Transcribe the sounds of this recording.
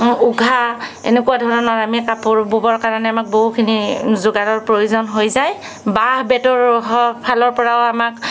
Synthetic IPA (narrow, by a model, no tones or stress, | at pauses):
uɡʱa | ḛnekuwadʱɔɹɔnɔɹamikapʊɹbubɔɹkaɹanɛamak̚boɦukʰinizʊɡaɾɔɹpɹojuzɔnɦojzaj | baɦbɛtɔɹɔɦɔpʰalɔɹpɔɹaʊamak